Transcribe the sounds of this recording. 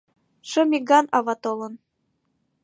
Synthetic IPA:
ʃɤ̆miɡɑnɑβɑt̪olɤ̆n

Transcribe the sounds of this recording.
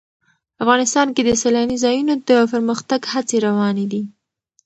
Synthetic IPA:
afɣɑnɪst̪ɑnked̪əsalanizɑjunod̪əpəɾməxt̪aɡhat͡seɾawɑned̪i

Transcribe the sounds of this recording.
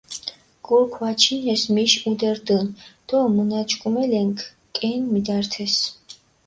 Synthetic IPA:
ɡ̥uɾkʰwat͡ʃʰinɛsmiʃud̪ɛɾd̪ənd̪̥ɔmənat͡ʃkʼumɛlɛŋkʰ | kʼɛnmid̪aɾt̪ʰɛs

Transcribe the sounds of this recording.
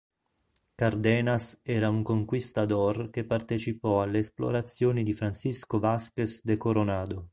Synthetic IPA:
kard̪ɛːnasɛːɾauŋkoŋkwist̪ad̪ɔrkepːart̪et͡ʃipɔalːeːsplo̰ɾat̪sːjoːnid̪ifɾansiskovaskesd̪ekoɾonaːd̪o

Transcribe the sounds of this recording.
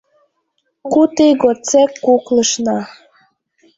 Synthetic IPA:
kut̪eɣot͡sekːuklə̆ʃnɑ

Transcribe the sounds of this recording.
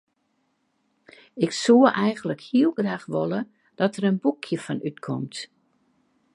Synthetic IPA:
ɪksuəʔɛjɣəndləkhiəlˠɡraːxʋolə | d̥ɔtəɾənbukʰjəfɔnytkʰɔmt

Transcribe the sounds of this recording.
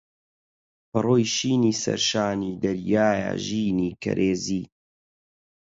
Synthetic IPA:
pɐroːjʃiːniːsɐ̰ɾʃaːniːd̪ɐɾjaːja̰ʒiːniːkɐ̰ɾʔeːziː

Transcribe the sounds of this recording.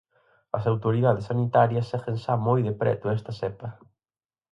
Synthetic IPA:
ɐsawt̪oɾiðaðesanit̪aɾjɐsːɛxenʃamojðepɾɛ̰t̪ʊɛst̪ɐsɛpɐ

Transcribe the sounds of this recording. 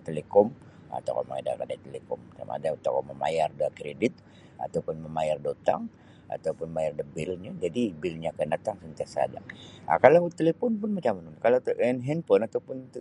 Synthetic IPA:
t̪elekɔm | a̰t̪a̰wka̰ma̰ŋa̰da̰kadajt̪elekɔmsa̰ma̰daut̪akɔməma̰jarduakɾedɪt̪̚ | a̰t̪awpʊnməmajardot̪a̰ŋ | a̰t̪awpʊnmajardəbɪlɲad͡ʒadibɪlɲakəndat̪aŋsənt̪iasa̰da̰a̰kalawt̪elefɔnpʊnmat͡ʃamənʊnkalat̪ɛnɦɛnpʊnat̪awpʊn

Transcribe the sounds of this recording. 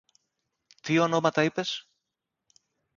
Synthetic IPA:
t̪io̞no̞mɐt̪ɐipe̞s

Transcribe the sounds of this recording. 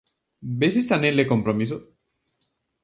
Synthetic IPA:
besist̪aneleko̞mpɾomis̬o

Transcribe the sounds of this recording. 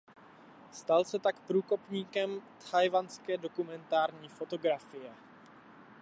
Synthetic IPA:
st̪alsɛt̪akpɾuːko̞pɲiːkɛmt̪hajvanskɛːdo̞kumɛnt̪aːɾɲiːfo̞t̪o̞ɡɾafɪjɛ

